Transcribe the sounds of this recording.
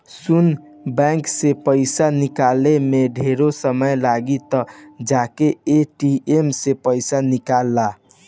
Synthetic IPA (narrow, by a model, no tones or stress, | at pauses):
sun | bɛ̃ŋksepəɪsanikalemeɖʱeɾosəməjlaɡit̪ɔd͡ʒakeeʈiemsepəɪsanikalːa